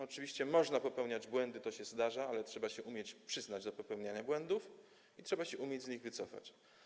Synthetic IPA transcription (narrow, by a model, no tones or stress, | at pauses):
ɔt͡ʂɘvʲiɕt͡ɕɛmɔʐnapɔpɛwɲad͡ʑbwɛnd̪ɘt̪ɔɕɛzd̪aʐaalɛtʂɛbaɕɛʔumʲjɛt͡ɕpʂɘznad͡ʑd̪ɔpɔpɛwɲaɲabwɛnd̪uf | itʂɛbaɕɛʔumʲjed͡ʑzɲiɣvɘt̪sɔfa̰t͡ɕ